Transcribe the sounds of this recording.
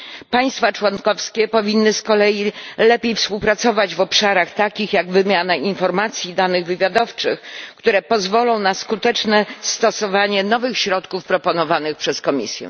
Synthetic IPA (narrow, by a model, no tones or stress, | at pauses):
paj̃st̪fat͡ʂwɔnkɔfskʲɛpɔvʲinːɘskɔlɛjilɛpʲjejfspuwpɾat̪sɔvad͡ʑvɔpʂaɾaxt̪akʲixjaɡvɘmʲjanaʔinfɔɾmat̪sʲjid̪anɘɣvɘvʲjad̪ɔft͡ʂɘxkt̪uɾɛpɔzvɔlɔ̃w̃naskut̪ɛt͡ʂnɛst̪ɔsɔvaɲɛnɔvɘxɕɾɔt̪kufpɾɔpɔnɔvanɘxpʂɛskɔmʲḭsʲjɛ̰